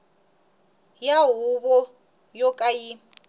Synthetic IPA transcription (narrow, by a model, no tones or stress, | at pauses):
jaɦʊβɔ | jɔkʼaji